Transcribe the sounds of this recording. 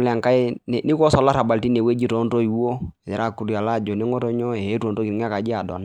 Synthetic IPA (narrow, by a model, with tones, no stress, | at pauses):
lɛ˨a˨ŋka˦nɛ˨ni˦kɔ˦sɔ˨la˦ɾa˨ba˨lti˦ne˨we˦d͡ʒi˦tɔ˨˦nto˦i˨wo˦˨ɛ˨ɾa˦˨ku˨˦ɾja˨la˦˨d͡ʒo˨nɛ˦ŋo˦to˦ɲɔ˦e˨e˦to˨nto˦ki˨ŋ˦a˦ka˨d͡ʒi˦a˨dɔ̰˨n˦